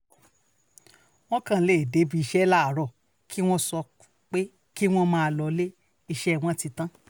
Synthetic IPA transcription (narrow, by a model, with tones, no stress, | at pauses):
w̃ɔ̃˦kã˦˨˧le˨de˨˦bi˨˧i˧ʃɛ˦la˦a˨ɾɔ˨ | kʰi˦w̃ɔ̃˦sɔ˧ | k͡pe˦ | ki˦w̃ɔ̃˦mãː˦˨a˧lɔ˧˦le˦ | i˧ʃɛ˦˨w̃ɔ̃˦ti˧tã˦